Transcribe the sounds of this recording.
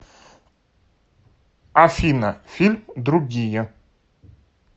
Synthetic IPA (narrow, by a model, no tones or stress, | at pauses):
ɐfʲinɐfʲilʲmd̪ɾʊɡʲijə